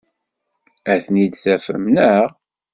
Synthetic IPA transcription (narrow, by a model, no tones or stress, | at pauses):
æθnid̪θæfə̰mnəʁ